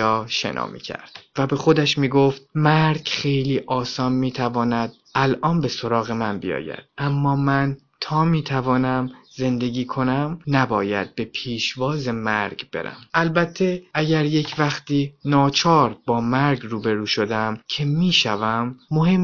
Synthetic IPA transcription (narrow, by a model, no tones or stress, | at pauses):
ɒːʃḛnʔɒ̰ːmḭːcʰæ̰ɾd̪̥væbe̞xo̞d̪æʃmiːɡoft̪̚mæɾɟχe̞jliːʔɒːsɒːnmiːt̪ʰævɒːnæd̪̥̚ | ʔælʔɒːnbe̞so̞ɾɒːɣe̞mænbḭjɒ̰ːjæ̰d̪̥̚ʔæmːɒːmæn | t̪ʰɒːmiːt̪ʰævɒːnæmze̞nd̪e̞ɡiːkʰo̞næmnæbɒːjæ̰d̪̚be̞pʰiːʃvɒːze̞mæɾɡb̥e̞̰ɾæ̰mʔælbæt̪ʰːe̞æɟæɾje̞cʰvæxt̪iːnɒːt͡ʃʰɒːɾbɒːmæɾɟruːbe̞ɾuːʃo̞d̪æmcʰe̞miːʃævæmːohe̞m